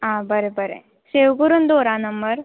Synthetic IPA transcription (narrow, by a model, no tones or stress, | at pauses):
ãbəɾebəɾḛ | sewɡuɾuːnd̪oɾãnəmbəɾ